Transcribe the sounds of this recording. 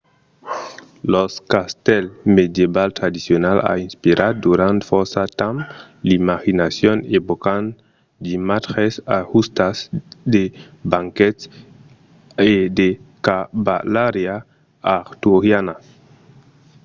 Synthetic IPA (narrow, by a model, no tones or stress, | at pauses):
loskast̪elmed̪jeβalt̪ɾad̪isjonala̰inspiɾʔad̪uɾant̪foɾsat̪am | limaxinasjonebokan | d͡ʒimatxesahust̪asd̪e | baŋket̪s | ed̪ekaba̰laɾja | aɾt̪uɾjana